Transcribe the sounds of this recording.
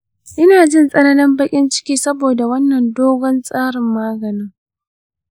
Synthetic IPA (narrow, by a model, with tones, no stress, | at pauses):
ʔɪ˦naː˨d͡ʒɪ˦nsʼɐ˦nɐ˦nɪ˦mbɐ˦kʲʼɪ˦nt͡ʃɪ̥˦kʲiː˦sɐ˦boː˨da˨wɐ˦nːɐ˨ndoː˦ɡʷɔ˦nsʼaː˦ɽɪ˨mːaː˦ɡɐ˨nɪ˦ŋ